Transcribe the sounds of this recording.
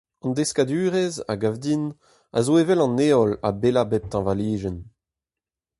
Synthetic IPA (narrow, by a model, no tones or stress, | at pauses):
ɑ̃nd̪eskad̪yːʁɛza̰ɡavd̪in | a̰zoevɛlɑ̃nːeɔla̰belabɛp̚t̪ɑ̃valiːʒɛn